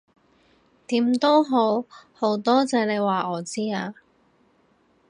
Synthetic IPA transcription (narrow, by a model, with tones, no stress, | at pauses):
t̪iː˨˥mt̪o˥wɦo˨˥who˨˥wt̪ɔː˥t͡sɛː˨˥ne˨˧jwaː˨˩ʔɔː˨˩t͡siː˥aː˧